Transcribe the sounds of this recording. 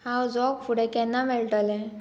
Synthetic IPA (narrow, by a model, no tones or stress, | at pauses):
hãwd͡zɔkfuɽɛ̃kɛnːamɛɭʈalɛ̃